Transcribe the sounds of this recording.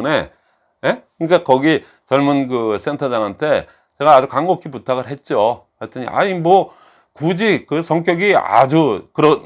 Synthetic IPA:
ne | jekɯɲk͈akʌɡi | t͡ɕʌɭmunkɯs͈ʰentʰʌdaŋɦantʰe̞ | t͡ɕe̞ɣaːd͡ʑukaŋɡokʰiputʰaɣɯɾɦet̚t͡ɕ͈o | aɭt͈ʰɯɲḭʔa̰imwʌ | kud͡ʑikɯsʰʌŋk̬͈jʌɡia̰d͡ʑukɯɾʌ

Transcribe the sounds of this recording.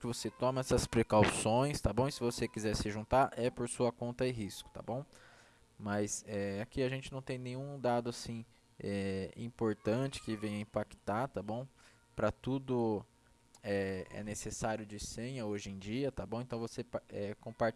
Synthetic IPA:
kɪvoset̪ɔ̃mɐɛsɐspɾekawsõj̃st̪abõw̃sɪvosekizɛɾsɪʒũnt̪aɾʔɛpoɾsuɐkõnt̪ɐɪɦiskʊ̥t̪a̰bõw̃ | mɐsɛakiɐʒẽnt͡ʃɪnɐ̃w̃t̪ẽj̃nẽɲ̃ũd̪ad̪ʊasĩ | ɛḭ̃poɾt̪ɐ̃t͡ʃɪ̥kɪvẽj̃ɐĩpakt̪at̪abõw̃ | pɾɐt̪ud̪ʊ | ɛɛ̰nesesaɾjʊd͡ʒɪsẽɲɐoʒẽj̃d͡ʒiɐt̪abõw̃ẽnt̪ɐ̃w̃voseɛkõpaɾ

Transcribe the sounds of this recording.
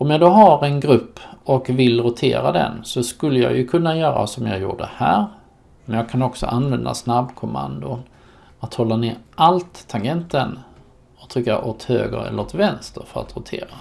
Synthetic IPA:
ɔmjɑd̪oɦaɾɛnɡɾɵpːɔkvɪlɾʊt̪ʰḛːɾad̪ɛ̰nsɔskɵlːəja̰ːɡjɵkʰɵnːajœːɾa̰sɔmjɑːɡjṵːɖəhæːɾ | mɛnjɑːɡ̚kʰanɔksɔ̰ʔanvɛnd̪a̰snabkʰʊma̰nd̪ʊn | at̪hɔlːaneːʔalt̪ʰːaɡɛnt̪ən | ɔt̪ʰɾʏkːaʔot̪hø̰ːɡə̰ɾɛ̰lːəɾoːt̪vɛnst̪əɾfœɾa̰t̪ɾʊt̪ʰḛːɾa

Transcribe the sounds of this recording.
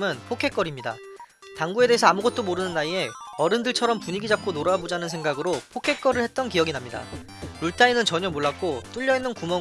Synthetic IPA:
mɯnpʰokʰe̞k͈ʌɾimɲida̰ | taŋɡue̞de̞esʰʌamuɡʌt̚t͈omoɾɯnɯnːaie̞ʌɾɯndɯɭt͡ɕʰʌɾʌmpuɲiɡid͡ʑap̚k͈onoɾabod͡ʑanɯnsʰe̞ŋɡaɡɯɾopʰokʰe̞k͈ʌɾɯɭhet̚t͈ʌnkijʌɡinamɲida̰ | ɾuɭtʰainɯnt͡ɕʌɲʌmoɭːak͈̚ot͈uʎːʌinːɯnkumʌ

